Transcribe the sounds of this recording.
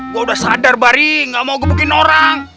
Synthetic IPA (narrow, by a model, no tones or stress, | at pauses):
ɡuaudahsadarbaɾiŋɡaʔmauɡapəkinoɾaŋ